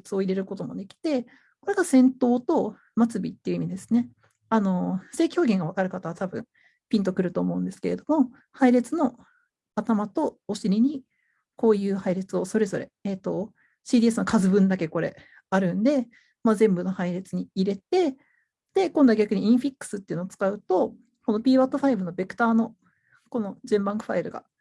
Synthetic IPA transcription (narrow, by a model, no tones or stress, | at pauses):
t͡sɨo̞iɾe̞ɾɯ̟ko̞t̪o̞mo̞̰d̪e̞kʲi̥t̪e̞ | ko̞ɾe̞ɡasẽ̞nt̪o̞ːt̪o̞ | mat͡sɨbʲḭt̪ːeiɯ̟imʲid̪e̞sɨ̥ne̞ | ano̞se̞ːkʲi̥hoːɡʲẽ̞ŋɡaβ̞akaɾɯ̟kat̪aβat̪abɯ̟̃ɴ | pʲĩnt̪okɯ̟ɾɯ̟t̪o̞ːmo̞ɯ̟nd̪e̞sɨ̥ke̞ɾe̞d̪o̞mo̞ | haiɾe̞t͡sɨno̞ | at̪amat̪o̞ːɕiɾʲiɲ̟i | ko̞ːjɯ̟ːhaiɾe̞t͡sɨo̞so̞ɾe̞zo̞ɾe̞̰eːt̪o̞ | ɕiːd̪ʲiːes̬ɨno̞kazɨbɯ̟̃nd̪ake̞ko̞ɾe̞̰ | aɾɯ̟̃nd̪e̞ | mazẽ̞mbɯ̟no̞haiɾe̞t͡sɨɲ̟iːɾe̞t̪e̞ | d̪̥e̞kõ̞nd̪aɡʲakɯ̟ɲ̟iĩɰ̃ɸʲikːɯ̥sɨt̪ːeiɯ̟noːt͡sɨ̥kaɯ̟t̪o̞ | ko̞no̞pʲiːβat̪ːo̞ɸaibɯ̟no̞be̞kɯ̟̥t̪aːno̞ | ko̞no̞d͡ʑẽmbãŋkɯ̟ɸaiɾɯ̟ɡa̰